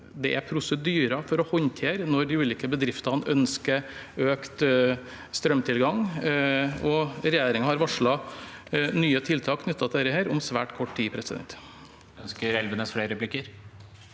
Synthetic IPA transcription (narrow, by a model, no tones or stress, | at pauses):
d̪ɛʔæɾpʰɾʊsəd̪yːɾɑfɔɾɔhɔɲt̪ʰeːɾnɔɾɖ̪ɪʉːliːkəbəd̪ɾɪft̪ɑnʔœnskəɾøːkt̪ | st̪ɾœmt̪ʰɪlɡɑŋ | ɔɾɛjeːɾɪŋhɑɾʋɑʂɭɑ | nyːət̪ʰɪlt̪ʰɑːkʰnʏt̪ʰːɑt̪ʰːɾəheːɾɔmsʋæːʈkʰɔʈːt̪iːpʰɾɛsɪd̪ɛ̰nt̪ | œnskəɾɛlʋənəsfleːɾəɾɛpʰlɪkːəɾ